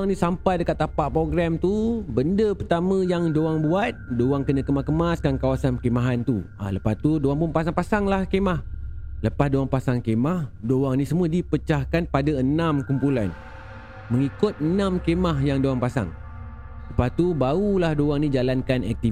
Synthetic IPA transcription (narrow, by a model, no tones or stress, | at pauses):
ŋnĩsampajdəkat̪ːapaʔpɾoɡɾamt̪ubəndəpərt̪amə̃jaŋdoaŋbuat̪̚dowaŋkənə̃kəmakəmaskankawasanpəkemaɦant̪ua̰ləpast̪udowaŋpʊnpasaŋpasaŋlahkemahləpasdowaŋpasaŋkemahdowaŋnisəmuaədipət͡ʃahkanpadaənãmkumpulan | məŋikʊt̪̚ənãmkemaɦjaŋdoaŋpasa̰ŋ | ləpast̪ubaulahdowaŋnid͡ʒalankana̰k̚t̪i